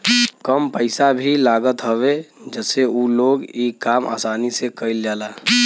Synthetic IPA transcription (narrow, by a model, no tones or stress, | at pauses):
kəmpəɪsabʱilaːɡət̪ɦəʋed͡ʒəseuloːɡikaːma̰ːsaːnisekəɪld͡ʒaːlaː